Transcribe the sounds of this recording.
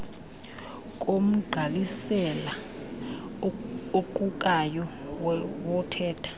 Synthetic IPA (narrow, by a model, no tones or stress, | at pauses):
kʼom̩ɡ͡ǃʱalisɛla | oǃukʼajɔwwɔtʰɛːtʰḁ